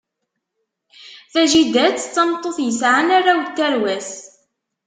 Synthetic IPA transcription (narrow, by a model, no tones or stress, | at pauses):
θæʒid̪æt͡sːt͡sːɑmt̪ˤːoθjəsʕanaɾawt̪ːæɾwæs